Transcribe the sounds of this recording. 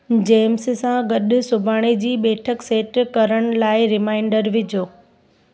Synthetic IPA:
d͡ʑeːmssãɡɐɗʊsʊbʱaːɽ̃id͡ʑiːɓɛːʈʰəkseːʈkɐɾəɽ̃laːɪɾɪmaːɪɳɖəɾʋɪd͡ʑʱoː

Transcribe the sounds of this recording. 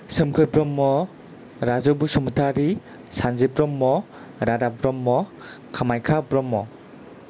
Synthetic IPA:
sɯmkʰɯjbɾɔmːɔ | ɾazɔbusumutʰaɾi | sanzibɾɔmːɔ | ɾadabɾɔmːɔ | kʰamajkʰabɾɔmːɔ

